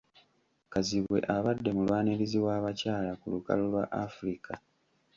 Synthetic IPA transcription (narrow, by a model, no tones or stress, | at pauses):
kaziβwe̞̰ʔaβadːe̞mulwaːneɾiziwaːβacaːlakuluka̰lolwa̰ʔafuɾika